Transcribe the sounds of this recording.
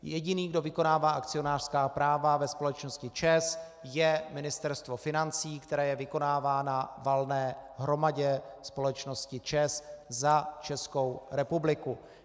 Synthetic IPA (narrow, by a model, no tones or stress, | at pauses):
jɛɟɪniːɡdo̞vɪko̞naːvaːʔakt͡sɪonaːr̥skaːpɾaːvavɛspo̞lɛt͡ʃno̞scɪt͡ʃɛs | jɛmɪnɪst̪ɛɾst̪vo̞fɪnant͡siːkt̪ɛɾɛːjɛvɪko̞naːvaːnavalnɛːɦɾo̞maɟɛspo̞lɛt͡ʃno̞scɪt͡ʃɛszat͡ʃɛsko̞wɾɛpublɪku